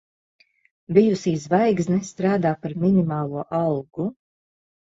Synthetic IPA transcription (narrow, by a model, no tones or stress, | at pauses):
bʲijusiːzvajɡznɛst̪ɾaːd̪aːpaɾminʲimaːlˠuɔʔɑwɡ̥u